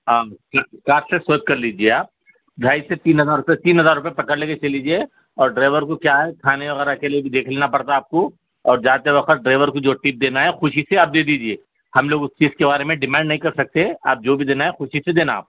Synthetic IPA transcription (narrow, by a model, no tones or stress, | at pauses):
ãːkakaːssesoːt̪̚kɐɾliːd͡ʒieaːp̚ | d̪ʱaːiset̪iːnɦɐzaːɾʊpet̪iːnɦɐzaːɾːʊpẽpɐkəɽleːket͡ʃɐliːd͡ʒie | ɔːɾɖɾaːɪʋəɾkokjaːɦɛkʰaːneʋɐɣɛːɾakeliebʱid̪eːkʰleːnapɐɽt̪aːp̚ko | ɔːɾd͡ʒaːt̪eʋɐxət̪̚ɖɾaːɪʋəɾkod͡ʒoːʈiːp̚d̪eːnaɦɛxʊʃiseaːp̚d̪eːd̪iːd͡ʒieː | hɐmloːɡʊst͡ʃiːzkebaːɾemẽɖɪmɛ̃ːɳɖnɐɦĩkɐɾsɐk̚t̪ea̰ːp̚d͡ʒoːbʱid̪eːnaɦɛxʊʃised̪eːnaa̰ːp̚